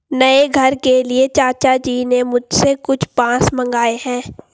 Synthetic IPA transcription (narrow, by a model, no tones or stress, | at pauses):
nɐeɡʱɐɾkeliet͡ʃaːt͡ʃad͡ʒiːnemʊd͡ʒʱsekʊt͡ʃʰpãːsmɐ̃ŋɡaːeɦɛ̃ː